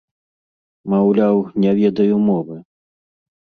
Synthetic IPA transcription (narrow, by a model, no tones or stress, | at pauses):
mawlʲawnʲavʲɛd̪ɐjumɔvɨ